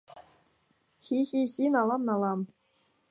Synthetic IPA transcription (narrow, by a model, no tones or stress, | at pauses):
xʲixʲixʲinɑlˠɑmnɑlˠɑm